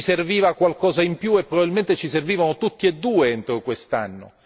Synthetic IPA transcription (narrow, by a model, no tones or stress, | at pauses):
iserviːvakwalkɔːzaimpjuepːɾoɔbabilment̪et͡ʃiserviːvanot̪ut̪ːied̪ːuːeent̪ɾokwest̪a̰nːʊ̰